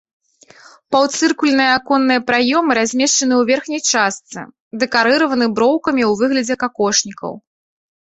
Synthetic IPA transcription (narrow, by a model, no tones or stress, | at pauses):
pawt̪sɨrkulʲnɨjɐakɔnːɨjɐpɾajɔmɨɾazʲmʲɛʂt͡ʂɐn̪ɨwvʲɛrxnʲɐjt͡ʂast̪sɨ̰ | d̪ɛkaɾɨɾɐvɐnɨbɾɔwkɐmʲiwvɨɣlʲɐd͡zʲɛkakɔʂnʲikɐ̰w